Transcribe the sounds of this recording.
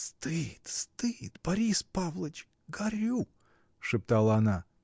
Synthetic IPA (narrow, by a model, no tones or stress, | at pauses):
st̪ɨt̪st̪ɨt̪b̥ɐɾʲispavlˠət͡ʃ | ɡɐɾʲu | ʂɨp̚t̪alˠəɐna